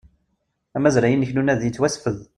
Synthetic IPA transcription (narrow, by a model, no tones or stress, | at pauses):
æmæzɾæjənːəçnunæðjət͡sːwæsfəð